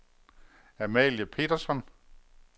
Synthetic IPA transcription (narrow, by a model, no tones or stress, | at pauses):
æmɛ̰ljəpʰe̝̰ːd̥ɐsɒ̽n